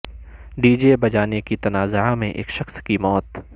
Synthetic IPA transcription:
ɖiːd͡ʒebɐd͡ʒaːnekit̪ɐnaːzamẽʔḛːkʃɐxskimɔːt̪

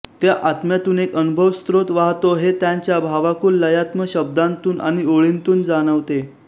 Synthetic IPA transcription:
t̪jaʔat̪mjat̪uːnekənubʱəʋst̪ɾot̪ʋaɦt̪oɦet̪jaɲt͡ɕjabʱaʋakuːllːəjat̪məɕəb̚d̪ant̪uːna̰ɽ̃ioɭint̪uːnd͡zaɽ̃əʋt̪e

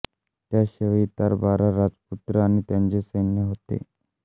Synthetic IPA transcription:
t̪jaɕəʋit̪aɾbaɾaɾad͡zput̪ɾəañit̪jaɲt͡ɕesenjəɦot̪ḛ

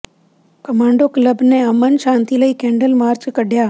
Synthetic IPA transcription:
kɐmãːɳɖokləbneɐmənʃãːnt̪iləikẽːɳɖəlmaːɾt͡ʃkəɖʱjaː

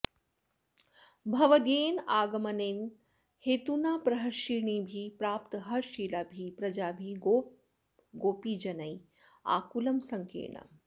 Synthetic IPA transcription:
bʱɐʋɐd̪eːnaːɡɐmɐneːn | heːt̪unaːpɾɐɦɐɾʃiːɳiːbʱipɾaːpt̪ɐɦɐɾʃiːlaːbʱipɾɐd͡ʒaːbʱio | ɡoːpiːd͡ʒɐnɐj | a̰ːkulɐmsɐŋkḛːɳɐ̰

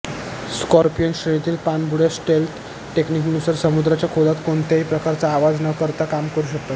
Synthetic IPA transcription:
skɔɾpiəŋɕɾenit̪iːlpanbʱuɽjasʈelʈ | ʈekniknusəɾsəmud̪ɾat͡ɕjakʰod̪at̪koɳt̪eɦipɾəkaɾt͡saːʋad͡znəkəɾt̪akamkəɾuɕək̚t̪at̪

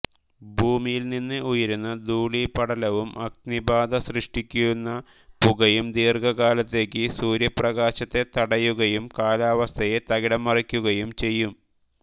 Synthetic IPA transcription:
bʱuːmijilninːɨujɐɾunːɨd̪uːɭipɐɽɐlɐʋumʔɐk̚nibaːd̪ɐsrɨʂʈikʲːujunːɐ | puɣɐjumd̪iːrɡɐɣaːlɐt̪ːe̞ːkːɨsuːɾjɐprɐɣaːɕɐt̪ːe̞t̪ɐɽɐjuɣɐjumkaːlaːʋɐst̪ʰɐjet̪ɐɣiɽɐmːɐrikʲːuɣɐjumt͡ɕe̞jːum

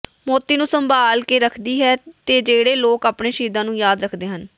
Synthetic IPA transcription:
moːt̪iːnũːsəmbaːlkeːɾəkʰd̪iːɦɛːt̪eːd͡ʒeːɽeːloːkaːpɳeːʃiːd̪ãːnũːjaːd̪ɾəkʰd̪eːɦən

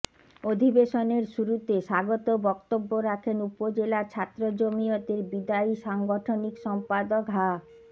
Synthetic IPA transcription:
od̪ʱibeʃoneɾʃuɾut̪eʃaɡot̪obɔkt̪obːoɾakʰenupod͡ʑelaɾt͡ɕʰat̪ːɾod͡ʑomiot̪eɾbid̪aiʃaŋɡoʈʰonikʃɔmpad̪okɦa

